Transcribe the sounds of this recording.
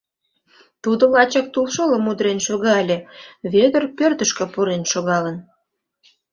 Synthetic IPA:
t̪ud̪olɑt͡ɕɑk̚t̪ulʃoləmud̪ɾenʃoɣɑlʲeβed̪ərpørt̪əʃkə̆puɾenʃoɣɑlən

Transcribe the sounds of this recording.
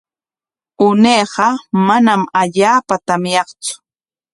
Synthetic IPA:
ʊneːɢɑmanamaʎaːpat̪amjɑχt͡sʊ̥

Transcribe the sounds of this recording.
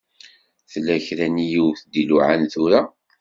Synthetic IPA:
θlːæçɾænijuwθd̪iluʕanθʊɾa

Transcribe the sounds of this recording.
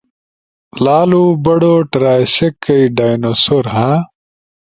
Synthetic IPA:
laːluːbɐɽoːʈɾaːjɕekːɐiɖaːjnosoɾɦã

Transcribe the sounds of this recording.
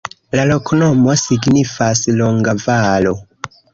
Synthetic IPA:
lalokʰonomosiɡnifasloŋɡavalo

